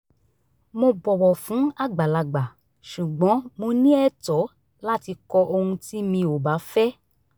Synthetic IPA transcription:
mo˧bɔ˨wɔ˨fũ˨˦a˦˨ɡ͡ba˨la˨ɡ͡ba˨ | ʃu˨ɡ͡bɔ̃˨˦mo˧nĩ˦ɛ˦˨tɔ˨˦ | la˦ti˧kɔ˧ʔo˧hũ˧ti˦mĩ˧o˨ba˨˦fɛ˦

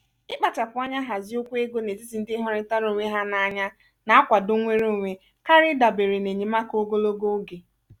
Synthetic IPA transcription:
ɪ˦k͡pa˨t͡ʃa˨pʊ˨˦a˦ɲa˦ɦa˨zɪ˦ʊ˦kʷe˦ɡo˦ne˨zi˦si˨n̩˦dɪ˦ɦɔ˦ɾɪ˦ta˦ɾo˨ŋʷe˦ɦa˦na˨a˨ɲa˦ | na˨a˦kʷa˨dʊ˦ŋʷe˦ɾu˦˨ŋʷe˨ | ka˦ɾɪ˦da˨be˨ɾe˨ne˨ɲe˨ma˦ko˦ɡo˦lo˦ɡo˦ɡe˨

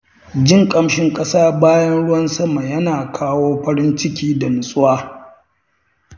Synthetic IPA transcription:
d͡ʒɪ˦ŋkʼɐ˦mʃɪ˦ŋkʼɐ˦saː˦baː˦jɐ˦nɽʊ˦wɐ˦nsɐ˦ma˨jɐ˦naː˨kʰaː˦woː˦ɸɐ˦ɾɪ˦nt͡ʃɪ˦kʲiː˦da˨nʊ˨sʼʊ˦waː˦

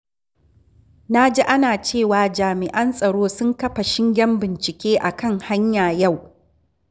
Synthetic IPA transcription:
na˦d͡ʒe˦ʔa˦naː˨t͡ʃeː˦˨waː˨d͡ʒaː˨mɪ˨ʔɐ˦nsʼɐ˨ɽoː˦sʊ˦ŋkɐ˦ɸa˨ʃɪ˦ŋɡʲɛ˦mbɪ˨nt͡ʃɪ˨kʲeː˦ʔa˨kɐ˦ŋha˦ɲjaː˨ja˦˨w

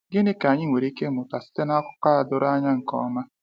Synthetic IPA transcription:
ɡɪ˦ne˦ka˨ɲɪ˦ŋʷe˨ɾi˦ke˦mʊ˨ta˨sɪ̥˦te˦na˦kʷʊ̥˦ka˦a˨dʊ˦ɾa˦ɲa˦ŋ̩˨kɔ̰˨˦ma˦

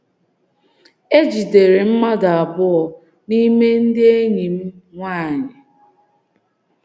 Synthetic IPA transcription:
e˦d͡ʒi˨de˨ɾe˨m̩˦ma˦da˨a˨bʊ˦ɔ˨ | ni˦me˦n̩˦dɪ˦e˦ɲi˨m̩˦ŋʷaː˦˨ɲɪ˨

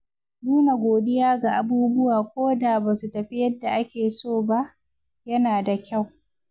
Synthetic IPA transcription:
nuː˦na˨ɡʷoː˨dɪ˦jaː˦ɡa˨ʔa˨buː˦bʊ˦waː˨kʷoː˦da˨baː˨su˨tɐ˨ɸi˦jɐ˦dːa˨ʔa˦kʲeː˨soː˦˨ba˦ʔ | jɐ˦naː˨da˨kʲa˦˨w

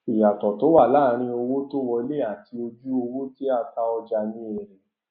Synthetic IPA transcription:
i˨ja˨tɔ˨to˨˦wa˦˨la˦ɾ̃ĩ˧o˧wo˦to˦wɔ˧˦le˦˨a˨ti˧o˧d͡ʒu˦o˧wo˦ti˦a˦˧ta˧ɔ˧d͡ʒa˧nĩ˦ɛ˧˨ɾɛ˨

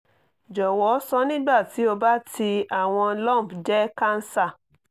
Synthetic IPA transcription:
d͡ʒɔ˨wɔ˨˦sɔ̃˦nĩ˦ɡ͡ba˦˨ti˨˦o˧ba˦tʰi˧a˨w̃ɔ̃˧lɔ̃˦˨pd͡ʒɛ˦ka˦n̩˦sa˦˨

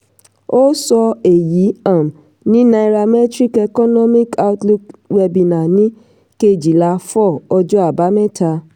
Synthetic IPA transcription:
o˦sɔ˧e˨ji˨˦ã˦˨m˨ | nĩ˦nã˧i˧ɾa˧mɛ˦tɾi˦kɛ˧kɔ˦nɔ˦mĩ˦ka˦wtlu˧kwɛ˧bi˧nã˨nĩ˦ | ke˧˨d͡ʒi˨la˧˦fɔ˦˨ɔ˧d͡ʒɔ˦a˦˨ba˨˦mɛ̃˦ta˧

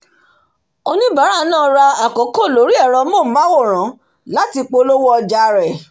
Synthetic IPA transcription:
o˧nĩ˦ba˨˦ɾa˦˨˦nãː˦˨˧ɾa˧a˨kɔ˨˦ko˦˨lo˨˦ɾi˦ɛ˦˨ɾ̃ɔ̃˧mõ˦˨˦ba˦wo˦˨ɾ̃ã˨˦ | la˦ti˧k͡po˧lo˦wɔ˦˧d͡ʒa˧ɾɛ˨

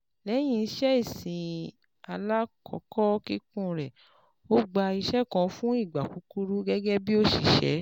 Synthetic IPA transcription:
lɛ˨˦j̃ĩ˧˦ʃɛ˦i˦˨sĩ˨ | a˧la˦kʰɔ̰˨˦kɔ˦ki˦kũ˦ɾɛ˨ | o˦ɡ͡ba˧i˧ʃɛ˦kã˧fũ˦i˦˨ɡ͡ba˨ku˨˦ku˦ɾu˦ɡɛ˦ɡɛ˦bi˦o˦ʃḭ˨ʃɛ̰˨˦

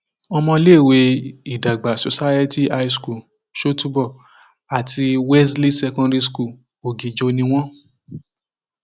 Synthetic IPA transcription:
ɔ˧mɔ̃˧le˦˨we˧i˨da˨ɡ͡ba˨so˨sa˦je˦ti˦a˧i˦˧sku˦˨ | ʃo˦tu˦bɔ˦˨ | a˨tʰi˧wɛ˦sli˦sɛ˧kɔ̃˧ɾi˦sku˦˨ | o˨ɡĩ˨d͡ʒo˧nĩ˧w̃ɔ̃˦

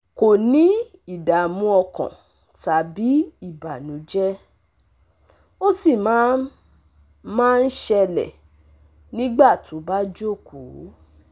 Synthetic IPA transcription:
ko˨nĩ˨˦ | i˦˨da˨mũ˦ɔ˧kã̰˨ | ta˨bi˨˦i˦˨ba˨nũ˨˦d͡ʒɛ˦ | o˦si˦˨mã˨˦ | mãː˦n̩˦ʃɛ˧lɛ̰˨ | nĩ˦ɡ͡ba˦˨tũ˨˦ba˦d͡ʒo˦˨ko̰˨˦

